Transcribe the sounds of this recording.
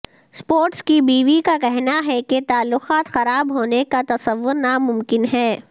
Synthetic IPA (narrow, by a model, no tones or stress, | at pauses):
spoːɾʈskibiːʋikakɛɦnaɦɛket̪aːlːʊxaːt̪xɐɾaːbɦoːnekat̪ɐsəʋːʊɾnamʊmkɪnɦɛː